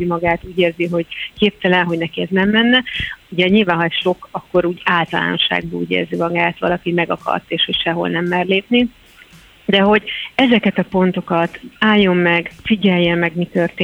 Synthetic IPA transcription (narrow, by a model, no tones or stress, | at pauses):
imɒɡaːt̪uːɟeːrziɦo̞ɟkeːp̚t̪ɛlɛnɦo̞ɟnɛkiɛznɛmːɛnːɛuɟɛɲilvaːnɦɒɛsʃo̞kɒkːo̞ɾuːɟaːlt̪ɒla̰ːno̞̰ʃa̰ːɡ̚bɒṵːɟḛːrzimɒɡaːt̪ʋɒ̰lɒkimɛɡɒkɒ̰rt̪eːʃho̞cʃɛɦo̞̰lnɛmːɛrleːpni | d̪ɛɦo̞ɟɛzɛkɛt̪ɒpo̞nt̪o̞kɒt̪aːjːo̞mːɛɡfiɟɛjːɛmːɛɡmit̪ørt̪eː